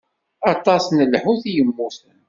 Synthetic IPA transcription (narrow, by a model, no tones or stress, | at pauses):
ɑt̪ˤɑsnəlħuθijəmːʊθən